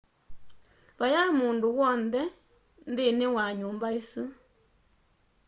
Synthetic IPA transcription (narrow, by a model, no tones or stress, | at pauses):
βajamunduwɔnd̪ɛ | nd̪ɪnewaɲumbaisɨ